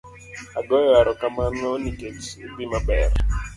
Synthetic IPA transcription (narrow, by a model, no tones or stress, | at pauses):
aɡɔjɔaɾɔkamarnɔnikesbimabɛr